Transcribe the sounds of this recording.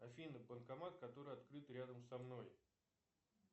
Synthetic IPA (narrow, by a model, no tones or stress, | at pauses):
ɐfʲinɨbənkɐmat̪kɐt̪o̞ɾɨjɐt̪kɾɨt̪ɾʲad̪əmsɐmno̞j